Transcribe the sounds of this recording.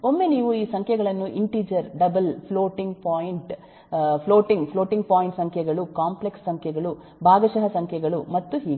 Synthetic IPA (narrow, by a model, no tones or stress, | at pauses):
o̞mːe̞niːʋuiːsɐŋkʰjɛɡɐɭɐnːuʔiɳʈiːd͡ʒɐɾɖɐbɐlpʰloːʈiŋɡpaːjiɳʈ | pʰloːʈiŋɡpʰloːʈiŋɡpaːjɳʈsɐŋkʰjɛɡɐɭukaːmplekssɐŋkʰjɛɡɐɭu | bʱaːɡɐʃɐɦɐsɐŋkʰjɛɡɐɭumɐt̪ːuɦiːɡ